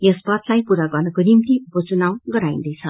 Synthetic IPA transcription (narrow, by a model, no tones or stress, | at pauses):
jʌspʌt̪lajpuɾaɡʌrnʌkonimt̪iupʌt͡sunaw̃ɡʌɾaĩnd̪ʌjt͡sʰʌ